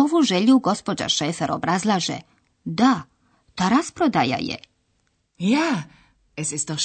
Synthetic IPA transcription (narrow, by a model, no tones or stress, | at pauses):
oʋuʒeʎuɡo̞spod͡ʒa̰ʃeːfeɾobɾazlˠaːʒḛ | d̪a | t̪aɾaspɾod̪aja̰jḛ | ja | esist̪o